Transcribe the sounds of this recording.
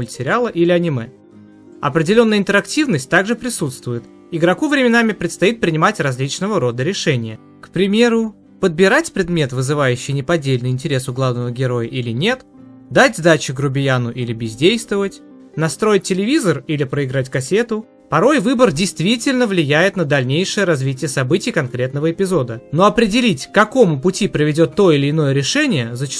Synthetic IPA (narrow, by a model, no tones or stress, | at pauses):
lʲsʲɪɾʲɪalˠəʔilʲɪɐnʲɪmɛ | ɐ̰pɾʲɪdʲɪlʲo̞nːəɪnt̪əɾɐktʲivnəsʲtʲt̪aɡʐɨpɾʲɪsut̪st̪vʊjɪt̪ | ɪɡɾɐkuvɾʲɪmʲɪnamʲɪpɾʲɪt̪st̪ɐit̪̚pɾʲɪnʲɪmatʲrɐzʲlʲit͡ɕnəvəɾo̞d̪əɾʲɪʂɛnʲɪjə | kpɾʲɪmʲe̞ɾʊ | pəd̪̚bʲɪɾatʲpɾʲɪd̪mʲe̞t̪vɨzɨvajʉɕːɪjnʲɪpɐdʲelʲnɨɪnʲtʲɪɾʲe̞sʊɡlˠavnəvəɡʲɪɾo̞jəʔilʲɪnʲe̞t̪ | d̪atʲzd̪at͡ɕɪɡɾʊbʲɪjanʊʔilʲɪbʲɪzʲdʲejst̪vəvətʲ | nɐst̪ɾo̞jɪt̚ʲtʲːɪlʲɪvʲizərilʲɪpɾəɪɡɾat̬ʲkɐsʲet̪ʊ | pɐɾo̞jvɨbərdʲɪjst̪vʲitʲɪlʲnəvlʲɪjæjɪt̪nəd̪ɐlʲnʲejʂɨjəɾɐzvʲitʲɪjəsɐbɨtʲɪjkɐnkɾʲe̞t̪nəvəɪpʲɪzo̞d̪əno̞ɐpɾʲɪdʲɪlʲitʲkːɐko̞mʊpʊtʲipɾəvʲɪdʲo̞t̪ːo̞ɪlʲɪɪːno̞jəɾʲɪʂɛnʲɪjəzət͡ɕɪ̥